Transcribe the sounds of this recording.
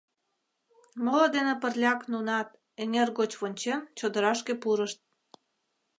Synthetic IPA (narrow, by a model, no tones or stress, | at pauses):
molod̪enĕpə̆rlʲɑknunɑt̪̚ | eŋerɣot͡ɕβonʲt͡ɕemt͡ɕod̪ə̆ɾɑʃkepuɾəʃt̪̚